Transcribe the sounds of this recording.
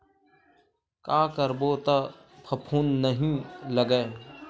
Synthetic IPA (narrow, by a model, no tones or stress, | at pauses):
kaːkəɾboːt̪ɐ | pʰɐpʰuːnːəɦĩləɡə